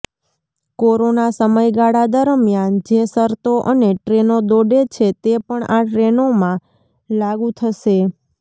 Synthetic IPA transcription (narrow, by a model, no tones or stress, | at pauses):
koɾonasəməjɡaɽad̪əɾmjand͡ʒesəɾt̪oʔəneʈɾenod̪oɖet͡ʃʰet̪epəɳaʈɾenomã | laɡũt̪ʰəʃe